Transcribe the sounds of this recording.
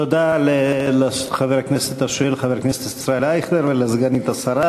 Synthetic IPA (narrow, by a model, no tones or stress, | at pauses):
tod̪alelaχaveʁkneset̪aʃelχaveɾknese̥t̪isɾaelaiχd̪eɾvelazɡanit̪asaɾa